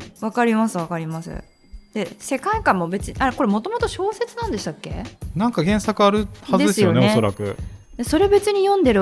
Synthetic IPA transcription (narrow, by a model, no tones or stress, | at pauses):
βakaɾʲimasɨβakaɾʲimasɨ̰ | d̪̥e̞se̞kaikãmːo̞be̞t͡sɨɲiʔaɾeko̞ɾe̞mo̞t̪o̞mo̞t̪o̞ɕo̞ːse̞t͡sɨnãnd̪e̞ɕi̥t̪akːe̞̰nãŋkaɡẽ̞ɰ̃sakɯ̟aɾɯ̟hazɨd̪d̪esɨjonenoeso̞ɾakɯ̟̰ | d̪eso̞ɾe̞obe̞t͡sɨɲ̟ijõ̞nd̪e̞ɾɯ̟